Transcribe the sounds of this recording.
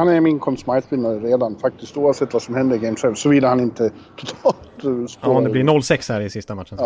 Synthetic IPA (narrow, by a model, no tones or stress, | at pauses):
hanæɾmɪnkʰɔmsmajsbɪnːaɾəɾeːd̪anfak̚t̪ɪst̪uːavsɛt̪ːvasɔmhɛnd̪əɾɪɡɛɪmsɛvsɔvɪd̪əhanɪnt̪ət̪ʰɔt̪ʰɑːt̪spɑɔd̪ɛblɪnɔlːsɛkshæɾɪsɪst̪amat̪ːʂən